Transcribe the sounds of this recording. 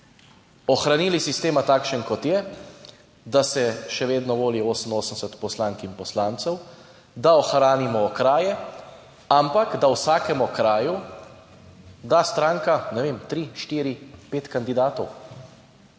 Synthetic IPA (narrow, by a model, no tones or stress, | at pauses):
ɔxɾaniːlisist̪eːmat̪aːkʃənkɔt̪jɛ | d̪asɛʃɛʋeːd̪nɔʋoːlioːsənoːsən̩sɛt̪pɔslaŋkinpɔslaːnt̪sɛw | d̪aɔxɾaːnimɔːkɾaːjɛ | ampakd̪awsaːkɛmɔkɾaːju | d̪ast̪ɾaːŋkanɛʋeːmt̪ɾiʃt̪iːɾipeːt̪kand̪id̪aːt̪ɔw